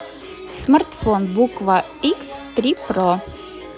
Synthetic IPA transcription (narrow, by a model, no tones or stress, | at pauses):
smaɾt̪fonbukʋa | ɪkst̪ɾʲipɾo